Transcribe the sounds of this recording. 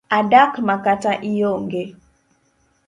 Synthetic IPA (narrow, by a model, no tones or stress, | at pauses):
adakmakataʔijoŋɡe